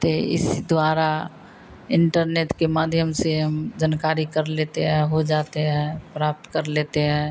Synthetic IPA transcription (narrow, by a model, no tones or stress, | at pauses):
t̪eɪ̰sd̪waːɾa | ɪɳʈəɾneːʈkemaːd̪ʱjəmseɦəmd͡ʒənkaːɾikəɾleːt̪eɦɛ̃ɦod͡ʒaːt̪eɦɛ̃pɾaːp̚t̪kəɾleːt̪eɦɛ̃ː